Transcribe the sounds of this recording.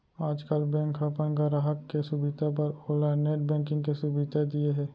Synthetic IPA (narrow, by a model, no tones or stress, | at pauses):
aːd͡ʒkəlbɛ̃ːŋkʰapənkaɾaɦəkːesʊbɪd̪ʱap̬ɐɾoːlaneːʈ̚bɛ̃ːŋkɪ̃ŋɡkesʊbɪd̪ad̪ieɦɛː